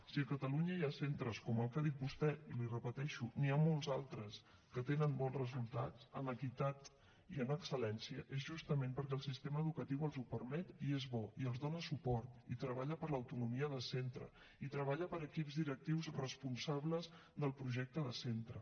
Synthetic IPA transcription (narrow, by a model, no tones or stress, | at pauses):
siəkət̪əluɲəjasent̪ɾəskɔməlˠkəðit̪̚bust̪ɛilirəpət̪ɛʃuniamolˠzalˠt̪ɾəs | kət̪enənbɔnzrəzulˠt̪a̰t͡sənəkit̪at̪ | iənəksəlɛnsiəʔezʒust̪əmempəɾkɛəlˠsist̪eməːðukət̪iwəlˠzupəɾmɛt̪iezβɔiəlˠzðonəsupɔɾt̪it̪ɾəβ̞aʎəpəɾləwt̪unumiəðəsent̪ɾə̰ | it̪ɾəβ̞aʎəpəɾəkipzðiɾək̚t̪iwzrəspunsaβləz | ðəlˠpɾuʒɛk̚t̪əðəsent̪ɾə